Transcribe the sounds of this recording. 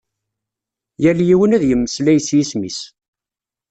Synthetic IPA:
jæljiwənæðjəmːəslæjəsjismḭs

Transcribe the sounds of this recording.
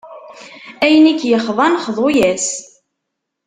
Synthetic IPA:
æjənikːjəχðˤɑnχðˤojæs

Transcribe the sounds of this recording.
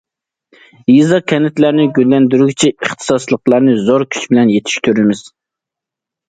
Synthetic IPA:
jizɑkʲʰɛnɪt̪læɾnɪɡʲølːɛnd̪yɾyɡʲit͡ʃʰɛəχt̪ʰɨ̥sɑslˠəqlˠɑɾnɨzoɾkʲʰy̥t͡ʃʰbɪlɛnjet̪ʰi̥ʃt̪ʰyɾɪmɪz̥

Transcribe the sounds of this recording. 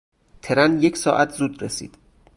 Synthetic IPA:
t̪ʰeɾænjecʰsɒːʔæt̪ʰzuːd̪resḭːd̪̥

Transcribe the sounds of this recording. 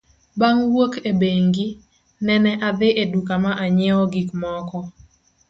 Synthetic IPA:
baŋwokebeŋɡi | nɛnɛʔad̪ɪʔedukamaʔaɲɛɔɡikmɔkɔ

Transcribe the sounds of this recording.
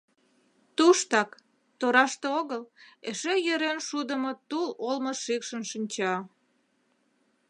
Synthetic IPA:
t̪uʃt̪ɑk | t̪oɾɑʃt̪eoɣəleʃejøɾenʃud̪əmŏt̪ulolməʃikʃənʃinʲt͡ɕɑ

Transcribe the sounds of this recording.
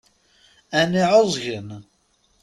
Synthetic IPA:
æniʕozˤʝən

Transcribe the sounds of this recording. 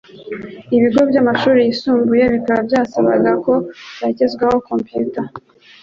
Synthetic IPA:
iβiɡo̞bɟamaʃuːɾijisuːmbujeβikaɾabɟaːsaβa̰ɡako̞βacezɡwaho̞ko̞mpjuta

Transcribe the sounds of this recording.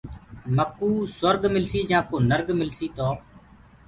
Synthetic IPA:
məkːuːswəɾɡmɪlsiːd͡ʒãːkoːnəɾɡmɪlsiːt̪oː

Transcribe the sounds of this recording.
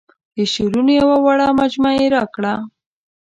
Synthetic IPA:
eʃiɾunojewawaɽamad͡ʒmaeɾakɽa

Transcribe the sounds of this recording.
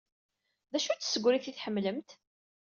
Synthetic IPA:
ðæʃut͡sːsəɡʷɾiθiθħəmːləmt̪

